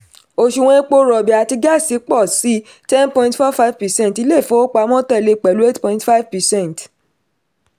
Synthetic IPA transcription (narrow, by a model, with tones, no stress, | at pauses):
o˧ʃu˨˧w̃ɔ̃˧e˦k͡po˧ɾɔ˨bi˨a˨ti˧ɡa˦˨si˨˦k͡pɔ˦˨si˨˦ | tɛ˦npɔ̃˧ĩ˧ntfɔ˦fa˦vpɛ˨sɛ̃˦n˨ti˧˦le˦˨fõ˦o˦k͡pa˨˧˦mɔ̃˦tɛ˦˨le˧k͡pɛ˨lu˨˦e˦tpɔ̃˧˨ĩ˦tfa˦vpɛ˨sɛ̃˦˨nt